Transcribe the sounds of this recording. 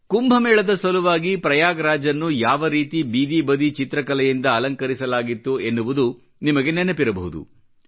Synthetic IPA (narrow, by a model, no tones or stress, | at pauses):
kumbʱɐmɛːɭɐd̪ɐsʋɐluʋaːɡipɾɐjaːɡɐɾaːd͡ʒɐnːujaːʋɐɾiːt̪ibiːd̪ibɐd̪it͡ʃit̪ɾɐkɐlɛjind̪ɐːlɐŋkɐɾisɐlaːɡit̪ːuenːuʋud̪u | nimɐɡe̞nenːɐpiɾɐbɐɦud̪ṵ